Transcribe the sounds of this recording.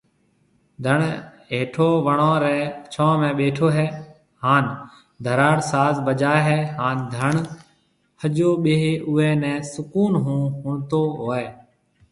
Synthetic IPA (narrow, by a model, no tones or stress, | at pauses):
d̪ʱəɳ | eːʈʰoːʋəɳõːɾɛːt͡ʃʰɔ̃ːmɛ̃ːɓeːʈʰoːɦɛː | haːn | d̪ʱəɾaːɽsaːzbəd͡ʒaːeɦɛːɦaːnd̪ʱəɳ | həd͡ʒoːɓeːɦeːʔʊɛːnɛ̃ːsʊkuːnɦũːɦũːnt̪oːɦoːɛː